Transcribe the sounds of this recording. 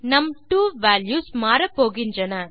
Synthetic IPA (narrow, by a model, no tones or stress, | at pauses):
nɐmʈuːʋaːljuːsmaːɾɐpːoːɣɪndrɐnɐ